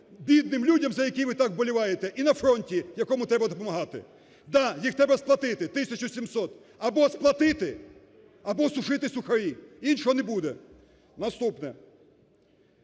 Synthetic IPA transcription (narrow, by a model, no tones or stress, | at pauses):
bʲid̪nɪmlʲudʲɐmzɐjɐkʲijʋɪt̪ɑkbɔlʲɪʋɑjet̪ɛʔinɐfɾɔnʲtʲijɐkɔmʊt̪ɾɛbɐd̪ɔpɔmɐɦɑt̪ɪ̰ | d̪ɑjixt̪ɛbɛsplˠɐt̪ɪt̪ɪt̪ɪsʲɐt͡ʃʊsʲimsɔt̪ | ɐbɔsplˠɐt̪ɪt̪ɪ | ɐbɔsʊʃɪt̪ɪsʲuxɐɾʲiinʃɔɦɔnɛbud̪ɛ | nɐst̪upnɛ